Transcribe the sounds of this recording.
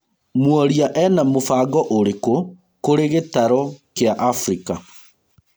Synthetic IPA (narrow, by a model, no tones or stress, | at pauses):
mwɔɾiaʔɛnamofaːɡɔʔoɾeko | koɾeɣetaɾɔkeaʔafɾika